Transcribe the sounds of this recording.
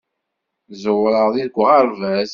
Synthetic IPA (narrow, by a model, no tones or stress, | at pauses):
zwɾˤəðˤiðɡʷʁɑɾˤvæz